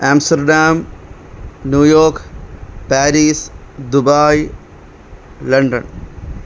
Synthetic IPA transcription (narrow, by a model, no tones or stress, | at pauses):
aːmsʈɐɾɖaːm | njuːjoːɾkpaːɾiːs | d̪ubaːj | lɐɳɖə̰n